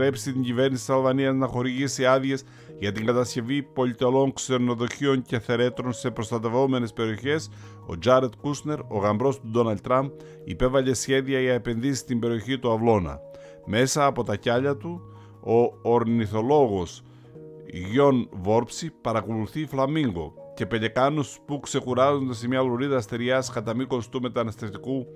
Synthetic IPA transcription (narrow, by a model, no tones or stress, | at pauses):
ɾe̞psit̪iɲɟive̞ɾnisit̪isɐlvɐniɐznɐxo̞ɾiʝisiɐðje̞s | ʝɐt̪iŋɡɐt̪ɐsce̞vipo̞ʎit̪elo̞ŋkse̞ɾno̞ðo̞çio̞ɲceθe̞ɾe̞t̪ɾo̞nse̞pɾo̞st̪ɐt̪e̞vo̞me̞ne̞spe̞ɾio̞çe̞s | o̞̰d͡ʒɐɾet̪kusne̞ɾo̞ɣɐmbɾo̞st̪ud̪o̞nɐlt̪t̪ːɾɐmp̚ | ipe̞vɐʎe̞sçe̞ðiɐʝɐe̞pe̞nðisi̥st̪imbe̞ɾio̞çit̪uɐvlo̞nɐ̰ | me̞sɐːpo̞t̪ɐcɐʎɐt̪u | oːɾniθo̞lo̞ɣo̞s | ʝo̞nvo̞ɾpsipɐɾɐkoluθiflɐmiŋɡo̞̰ce̞pe̞ʎe̞kɐnuspukse̞kuɾɐzo̞nd̪e̞se̞mɲɐvloɾiðɐːst̪eɾiɐskɐt̪ɐmiko̞st̪ume̞t̪ɐnɐst̪eft̪iku